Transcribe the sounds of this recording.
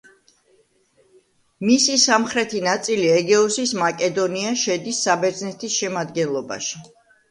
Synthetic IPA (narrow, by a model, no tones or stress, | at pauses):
misisamχɾɛt̪ʰinat̪sʼiliɛɡɛɔsismakʼɛd̪ɔniaʃɛd̪isːabɛɾd̪znɛt̪ʰisʃɛmad̪ɡɛnlˠɔba̰ʃi̥